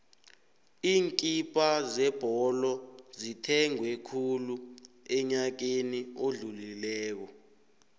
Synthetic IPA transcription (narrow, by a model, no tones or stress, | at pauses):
iːŋkʼipʼazɛb̥ʱɔlɔzitʰɛŋwɛkʰulu | ɛɲak̬enioɮulilɛːk̬ɔ